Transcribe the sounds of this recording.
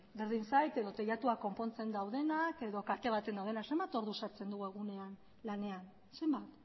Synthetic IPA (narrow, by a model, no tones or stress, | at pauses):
be̞ɾðinsajt̪e̞ðo̞t̪ejat̪uako̞mpo̞nt͡se̞nd̪awð̞e̞nake̞ðo̞kat̪e̞β̞at̪e̞nawðe̞nakse̞mbat̪o̞ɾðusat͡se̞nd̪uɣe̞ɣ̞une̞an | lane̞an | se̞mbat̪